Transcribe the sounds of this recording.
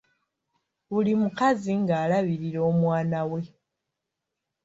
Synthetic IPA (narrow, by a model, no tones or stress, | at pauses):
βulimukaziŋɡaːlaβiɾiɾo̞ːmwaːnawe̞